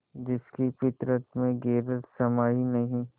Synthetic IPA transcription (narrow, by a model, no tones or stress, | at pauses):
d͡ʒɪskipɪt̪ɾət̪mẽɡeːɾəlsɐmaːinɐɦĩ